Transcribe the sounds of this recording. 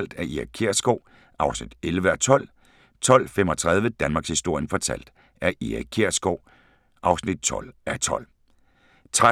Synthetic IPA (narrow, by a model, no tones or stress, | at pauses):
l̰d̥æɐʔiækʰeɐ̰sɡ̥ɒʊ̰ | ʔɑ̈ʊsnid̥elʋəæt͡sʰɒ̽l̰ | t͡sʰɒ̽l̰femɒ̽t͡sʰʁað̞ˠʋəd̥ænmɑ̈ɡshisd̥o̝ɐ̰jənfɒ̽t͡sʰæ̰l̰d̥ | æɐʔiækʰeɐ̰sɡ̥ɒʊ̰ | ʔɑ̈ʊsnid̥̚t͡sʰɒ̽l̰æt͡sʰɒ̽l̰ | t͡sʰʁa